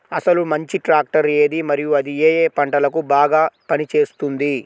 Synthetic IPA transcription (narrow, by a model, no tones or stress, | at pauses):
ɐsɐlumɐɲt͡ʃiʈɾaːk̚ʈɐɾeːd̪imɐɾijuɐd̪ieːjeːpɐɳʈɐlɐkubaːɡaːpɐnit͡ʃe̞ːst̪und̪i